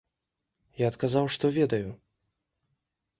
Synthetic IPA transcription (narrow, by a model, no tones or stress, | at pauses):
jaːt̪kazawʂt̪ɔvʲɛd̪ɐju